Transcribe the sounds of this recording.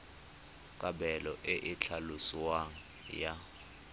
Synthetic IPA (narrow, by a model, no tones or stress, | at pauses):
kʼaɓɛlɔʔeʔɪt͡ɬʰaluswaŋ̩ | ja